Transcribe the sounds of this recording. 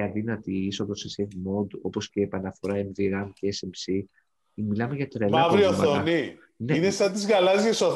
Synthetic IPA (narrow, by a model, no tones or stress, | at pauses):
ɐðinɐt̪iiso̞ðosiseðimo̞d̪o̞po̞sceːpɐnɐfo̞ɾɐemðiɾɐmceesemsi | milɐmeʝɐt̪ɾelɐɐvɾioθmɐoni | neinesɐt̪̬izɣɐlɐzʝesoθ